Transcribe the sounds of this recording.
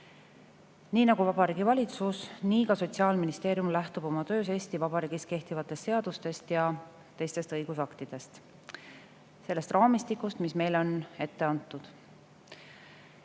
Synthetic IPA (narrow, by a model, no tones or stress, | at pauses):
niːnɑɡ̥uvɑb̥ɑɾiːɡ̥ivɑlʲit̪susniːkɑso̞t̪siɑːlminist̪e̞ːɾjumlæht̪ub̥o̞mɑt̪ø̞ːs̬e̞ːst̪ivɑb̥ɑɾiːɡ̥is̚ke̞ht̪ivɑt̪ːˑe̞st̪se̞ɑd̪̥ust̪e̞st̪jɑ | t̪e̞jst̪e̞st̪ɤjɡ̥usɑkt̪id̪̥e̞st̪ | se̞lːe̞st̪rɑːmist̪ikˑːust̪misme̞jlo̞ne̞t̪ːe̞ɑnt̪ːˑud̪̥